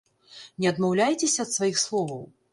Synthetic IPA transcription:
nʲɛɐd̪mawlʲajt͡sʲɛsʲɐːt̪svajixslˠɔvɐw

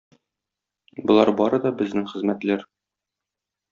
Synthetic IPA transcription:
bŏlˠɑɾbɒɾɤd̪ɒbɘ̆znɘŋχɘ̆zmæt̪læɾ

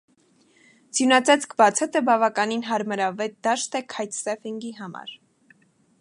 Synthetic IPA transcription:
d͡zjunɑt͡sʰɛt͡sʰkʰbɑt͡sʰɛt̪əbɑvɑkɑninɦɑɾməɾɑvɛt̪̚d̪ɑʃt̪ɛkʰɑjt̪sɛfiŋɡiɦɑmɑ̰ɾ

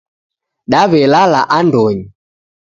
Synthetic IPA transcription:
ɗaβɛlalaʔandɔɲi

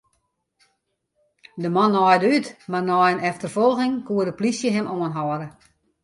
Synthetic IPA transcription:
dəmɔnːɔjdəytmarnɔjənɛftərfɔlˠɣɪŋkuədəplisjəɦɛmʔoənɦɔəɾə

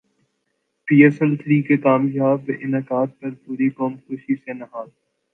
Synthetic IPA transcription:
piːɛsɛlt̪ʰɾiːkekaːmjaːbɪnɐkaːt̪̚pɐɾpuːɾikoːmxʊːʃisenɐɦaːl

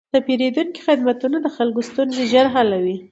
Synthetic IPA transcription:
t̪apeɾed̪unki̥xɪd̪mat̪unad̪əxalɡost̪unzeʒaɾɦalawi

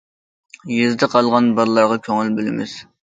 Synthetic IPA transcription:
jezd̪ɨqʰɑlˠʁɑnbɑɾlˠɑɾʁɑkʲʰøŋɪlbylɪmɪz̥

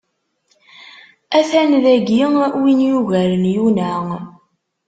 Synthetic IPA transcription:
æθænðæɡiwinjuʝæɾənjunæ

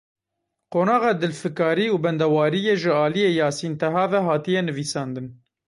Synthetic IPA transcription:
qoːnɑːɣɑːd̪ɨlfɨkɑːɾiːuːbɛnd̪ɛwɑːɾijeːʒɨɑːlijeːjɑːsint̪ɛɦɑːvɛɦɑːt̪ijɛnɨviːsɑːnd̪ɨn

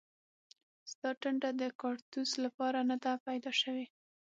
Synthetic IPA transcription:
sd̪ɑʈəɳʈad̪əkɑɽt̪uslapɑɾanad̪apajd̪ɑʃəwe

